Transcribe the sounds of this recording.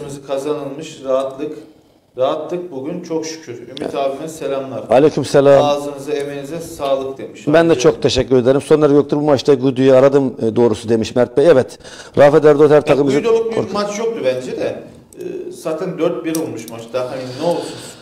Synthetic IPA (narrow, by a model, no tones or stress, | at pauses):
mɯzɯkʰazanɯlˠmɯʃɾaɦat̪lˠɯk | ɾaɦat̪lˠɯk̚buɟʲynt͡ʃʰokʃy̥cʰyɾymit̪ʰaːvimɛselʲamlˠaɾalʲecʰymsɛlʲaːazɯnɯzaemenizɛsaːlˠɯkd̪e̞miʃbænd̪ɛt͡ʃʰo̞k̚t̪ʰeʃɛcːyɾe̞d̪eɾimso̞nlˠaɾajo̞k̚t̪ʰuɾbumat͡ʃt̪aɡud̪yjɛaɾad̪ɯmd̪o̞ːɾusud̪e̞miʃmæɾt̪̚bɛɛvɛt̪ | ɾaːfɛd̪æɾd̪ot̪hæɾt̪ʰakɯmizd̪jolˠuk̚bioɾmat͡ʃjok̚d̪ubænd͡ʒɛd̪ɛː | saːt̪ʰænd̪øɾt̪̚biɾolˠmuʃmat͡ʃd̪aɦaninɛo̞lˠsun